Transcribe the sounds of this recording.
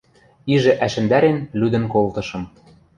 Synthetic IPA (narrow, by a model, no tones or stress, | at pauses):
iʒɘ̆ʔæʃɘ̆nd̪æɾenlyd̪ɘ̆nkolt̪ɤ̆ʃɤ̆m